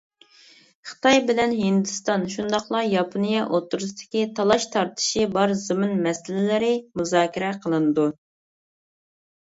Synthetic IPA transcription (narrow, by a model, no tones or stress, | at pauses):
χə̥t̪ɑjbɪlɛnɦind̪ɨst̪ɑnʃund̪ɑχlˠɑjɑpʰonijɑʔot̪ːuɾust̪ʰɪ̥kʲit̪ʰɑlˠɑʃt̪ʰɑɾt̪ʰɨ̥ʃibɑɾzɨmɨnmɛsɪlɪlɪɾɪmuzɑːkʲiɾɛqʰəlˠɨnɨd̪u